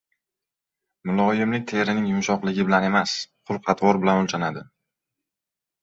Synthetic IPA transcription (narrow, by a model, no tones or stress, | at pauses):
mʊlˠɒjɪmnɪt̪ʰe̞ɾɪnɪŋjʊmʃɒqlɪɡʲɪbɪlane̞masqʰʊlˠqʰɑt̪ʰwɒɾbɪlanʊlt͡ʃʰanad̪ɪ